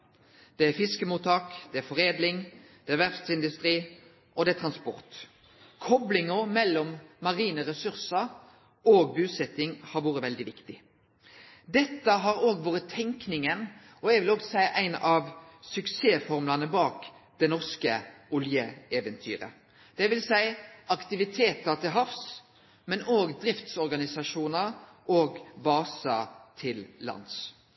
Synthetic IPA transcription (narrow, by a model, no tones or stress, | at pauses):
d̪̥ɛæfɪskəmuːt̪ʰɑːkd̪̥ɛæfɔʁeːd̪lɪŋd̪̥ɛæʋæʁft̪sɪnd̪ʉst̪ʁiː | ʔɔd̪ɛæt̪ʰɾɑnspɔ̰ʁt̪ | kʰɔblɪŋɔmɛlːɔmːɑʁiːnəɾɛsʉɾsəɾ | oːɡ̚bʉːsɛt̪ːɪŋhɑɾʋuːɾəʋɛld̪ɪʋɪkt̪ɪ | d̪ɛt̪ːəɦɑɾoːɡʋoːʁət̪ʰɛŋknɪŋən | ɔɛɡʋɪloːɡsæɪʔæɪnɑʋsʉkseːfɔʁmʉlɑnəbɑːkd̪ɛnɔʁskəʊljəeːʋənt̪ʰy̰ːɾə̰ | d̪̥ɛʋɪlsæɪʔɑkt̪ɪʋɪt̪ʰeːt̪ət̪ɪlɦɑfs | mɛnoːɡd̪ɾɪft̪sɔɾɡɑnɪsɑʂuːnəɾ | ʔoːɡbɑːsɑt̪ʰɪlːɑ̰ns